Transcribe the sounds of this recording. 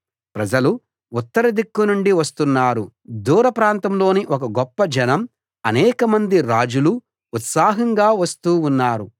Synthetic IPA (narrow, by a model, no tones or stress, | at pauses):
pɾɐd͡ʒɐlu | ut̪ːɐɾɐd̪ikːunuɳɖiʋɐst̪unːaːɾu | d̪uːɾɐpɾaːnt̪ɐmlo̞ːniʔɔkɐɡɔpːɐd͡ʒɐnɐm | ɐnɛːkɐmɐnd̪iɾaːd͡ʒuluː | t̪saːɦɐŋɡaːʋɐst̪uːunːaːɾu